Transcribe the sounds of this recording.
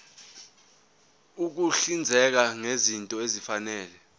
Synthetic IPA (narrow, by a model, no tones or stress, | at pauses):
uk̬uɬind͡zʱɛk̬aŋezintʼɔezifanɛːlɛ